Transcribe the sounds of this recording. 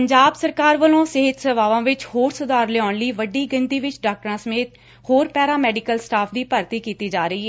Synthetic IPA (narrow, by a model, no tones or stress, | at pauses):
əɲd͡ʒaːbsəɾkaːɾʋəlõːsɪɦɪt̪səʋaːʋãːʋɪt͡ʃhoːɾsʊd̪aːɾlɛːaːɳliːʋəɖiːɡənt̪iːʋɪt͡ʃɖaːk̚ʈɾãːsəmeːt̪ | hoːɾpɛːɾaːmɛːɖɪkəlsʈaːpʰd̪iːpəɾt̪iːkiːt̪iːd͡ʒaːɾəiːɦɛː